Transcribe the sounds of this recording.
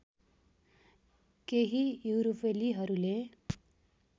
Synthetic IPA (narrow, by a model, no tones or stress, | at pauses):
keɦijuwɾupʰeliɦʌɾule